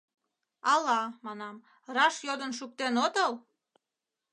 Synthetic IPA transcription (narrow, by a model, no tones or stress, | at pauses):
ɑlɑmɑnɑm | rɑʃjod̪ənʃuk̚t̪enot̪əl